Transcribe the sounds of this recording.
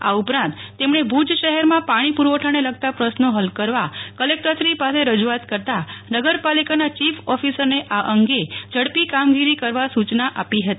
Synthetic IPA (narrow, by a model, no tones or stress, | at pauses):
a̰upɾãnt̪ːemɳebʱud͡ʒʃəɦɛɾmãpaɽ̃ipuɾʋəʈʰaneləɡ̚t̪apɾəsnoɦəlkəɾʋakəlek̚ʈəsɾipaseɾəd͡ʒuat̪kəɾt̪anəɡəɾpalikanat͡ʃifʰɔfisəɾneʔaʔəŋɡed͡ʒəɽpikamɡiɾikəɾʋasut͡ʃnaʔapiɦət̪ii